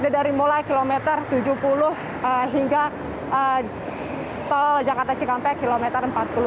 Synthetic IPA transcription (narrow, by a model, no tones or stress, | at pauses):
nidaɾimulajkilomɛt̪ərt̪ud͡ʒuhpulʊh | əɦiŋɡa | ə | t̪ɔld͡ʒakart̪at͡ʃikampɛkilomɛt̪ərəmpat̪̚pulʊ